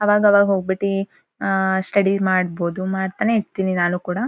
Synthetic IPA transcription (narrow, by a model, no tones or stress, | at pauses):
ɐʋaːɡɐɐʋaːɡɐɦoːɡ̚biʈi | sʈɐɽimaːɽbo̞ːd̪umaːɽt̪aːne̞iɾt̪iːninaːnukuːɽɐ